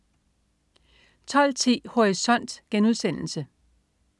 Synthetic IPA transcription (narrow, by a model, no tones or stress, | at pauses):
t͡sʰɒ̽l̰t͡sʰḭːho̝ʁisɒ̽n̰d̥ɡ̥enuðˠsen̰l̩sə